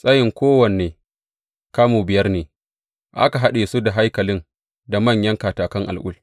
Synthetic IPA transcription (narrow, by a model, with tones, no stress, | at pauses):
sʼa˦jɪ˨ŋkʷoː˦wɐ˨neː˨ | kaː˦moː˨bɪ˨jɐ˦rneː˨ | ʔa̰˦ka˨ɦa˦ɗeː˨su˦da˨ɦa˦jkɐ˨lɪ˦n | da˨mɐ˦˨ɲjɐ˦ŋkaː˨taː˨kɐ˦ŋʔa̰˨lʔʊ̰˦l